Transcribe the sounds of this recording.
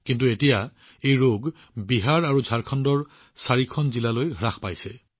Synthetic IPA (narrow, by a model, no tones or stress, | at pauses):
kintuetija | ejɹoɡ | biɦaɹaɹuzʱaɹkʰɔndɔɹ | saɹikʰɔnzilalojɦɹaxpa̰jsɛ